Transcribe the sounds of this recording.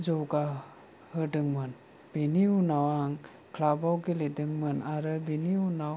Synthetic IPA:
zɔwɡa | hɯdɯŋmɯn | b̥eniunawaŋ | kʰlabawɡiledɯŋmɯnaɾɯbiniunaw

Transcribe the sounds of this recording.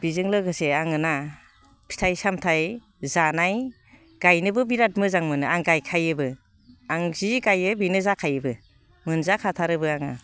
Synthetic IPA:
b̥izɯŋlɯɡɯseaŋɯna | pʰi̥tʰajsamtʰaj | zanaj | ɡ̥ajnɯbɯbiɾat̚mɯzaŋmɯnɯaŋɡajkʰajɯbɯ | aŋziɡajɯbinɯzakʰajɯbɯ | mɯnzakʰatʰaɾɯbɯaŋa

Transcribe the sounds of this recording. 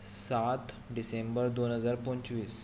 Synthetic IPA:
sat̪ | ɖisembəɾd̪onɦəd͡zaɾpɔ̃nt͡ɕʋiːs

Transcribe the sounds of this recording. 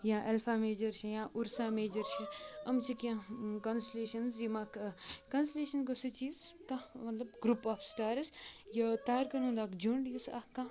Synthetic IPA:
jãːʔelfʰaːmeːd͡ʒɐɾʃijãːʔuɾsaːmeːd͡ʒɐɾʃʰiɐmt͡ʃʰikãkɐnsleːʃɐnzjimakkɐnsleːʃɐnkosɨt͡ʃiːzkãmɐt̪lɐbɡɾuːpaːfsʈaːɾsjɐt̪aːɾkɐnũnd̪aːkd͡ʒuɳɖjusa̰kːã

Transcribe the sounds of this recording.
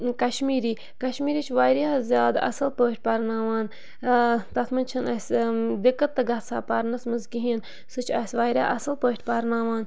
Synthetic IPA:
kɐʃmiːɾiː | kɐʃmiːɾiːt͡ʃʰʋaːjɾjaːzʲjaːd̪ɐ̰sɨlpəːʈ̚ʲpɐɾnaːʋaːn | t̪ɐt̪ʰmɐnt͡ʃʰɐnɐsʲd̪ikːɐt̪ːɐɡɐt̪sʰa̰ːpɐɾnɐsmɐzɡiɦiːn | sɨt͡ʃʰɐsʲʋaːjɾʲja̰ːʔɐsɨlpəːʈʰʲpɐɾnaːʋaːn

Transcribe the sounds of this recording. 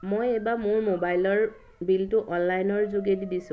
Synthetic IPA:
mojɛbamʊɹmobajlɔɹ | biltʊʔɔnlajnɔɹzoɡedidisʊ̃

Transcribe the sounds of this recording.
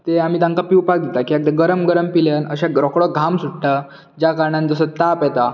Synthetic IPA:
t̪eam̤iːt̪ãŋkapiwpak̚d̪it̪akiak̚t̪eɡəɾəmɡəɾəmpiljənəɕãɡɾɔkɽɔɡʱamsuʈʈə | d͡ʑjakaɾɳand͡zəsət̪apjɛt̪a

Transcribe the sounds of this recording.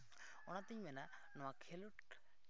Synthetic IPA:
ɔñat̪iɲmɛna | nɔwakʰeluʈ

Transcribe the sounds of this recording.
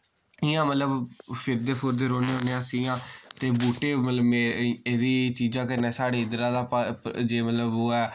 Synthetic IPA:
ɪjãːmət̪ləbpʰɪɾd̪eːpʰoːɾd̪eːɾoːneːɦoːneãːsijãːt̪eːbuːʈeːmət̪ləmeːeːd̪iːt͡ʃiːd͡ʒãːkənɛːsaːɽeːɪd̪ɾãːd̪aːpd͡ʒeːmət̪ləboːɛː

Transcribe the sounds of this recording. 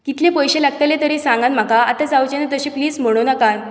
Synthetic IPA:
kit̪lẽpəjɕelaɡt̪alet̪əɾesãŋɡanm̤akaat̪at͡sawt͡ɕenat̪əɕĩpliːd͡zm̤əɽ̃onakan

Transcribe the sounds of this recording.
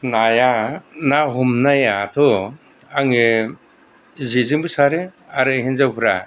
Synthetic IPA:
najanaɦumnajatʰɔ | aŋe | zizɯmbɯsaɾɯ | aɾɯɦenzawpʰɯɾa̰

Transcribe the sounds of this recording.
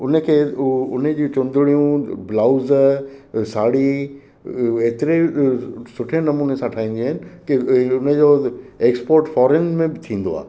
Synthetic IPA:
ʊnəkʰeːʊned͡ʑĩːt͡ɕʊ̃nd̪ɪɽijũblaːʊz | saːɽi | eːt̪ɪɾe | sʊʈʰenɐmuːnesãʈʰaːĩːn̆d̪iaɦɪnɪ̆kiʊnəd͡ʑoeːkspoːɾʈfɔːɾenmẽbɪt̪ʰĩːn̆d̪oa̰ː

